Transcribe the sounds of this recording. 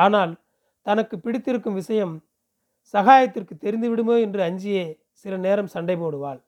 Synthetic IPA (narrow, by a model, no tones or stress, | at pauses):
aːnaːl | t̪ɐnɐkːɯpːɪɽɪt̪ːɪɾɯkːɯmʋɪsɐjɐm | sɐɣaːjɐt̪ːɪrkɯt̪ːɛɾɪnd̪ɯʋɪɽɯmoːɛndrɯɐɲd͡ʒɪjeː | sɪlɐneːɾɐmsɐɳɖɐɪpoːɽɯʋaːɭ